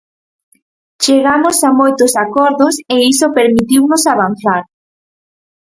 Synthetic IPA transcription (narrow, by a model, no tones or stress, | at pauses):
t͡ʃeɣamʊsamojt̪ʊsakɔɾðʊseisopeɾmit̪iwnʊsaβ̞an̟θaɾ